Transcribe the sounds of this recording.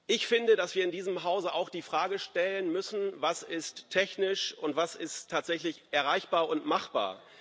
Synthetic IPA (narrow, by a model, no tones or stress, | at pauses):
ʔɪçfɪndədasv̥iːɐɪndiːzəmɦaʊzəʔaʊxd̥iːfʁ̥aːɡəʃtɛlənmʏsn̩vasɪstʰːɛçnɪʃʊntv̥asɪstʰːaːtz̥ɛçlɪçʔɛɐʁaɪçb̥aːɐʊntmaχb̥a̰ːɐ